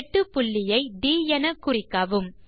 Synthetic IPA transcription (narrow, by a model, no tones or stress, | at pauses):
ʈːɯpːʊɭːɪjɐɪɖ̪iːjɐnɐkːʊrɪkːɐʋɯm